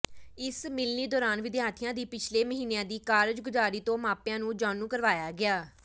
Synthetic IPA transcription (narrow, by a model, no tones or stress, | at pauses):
ɪsmɪlniːd̪ɔːɾaːnʋɪd̪jaːt̪ʰɪjãːd̪iːpɪt͡ʃʰleːməɦiːnejãːd̪iːkaːɾd͡ʒɡʊzaːɾiːt̪õːmãːpjãːnũːd͡ʒaːnũːkəɾʋaːjaːɡɪaː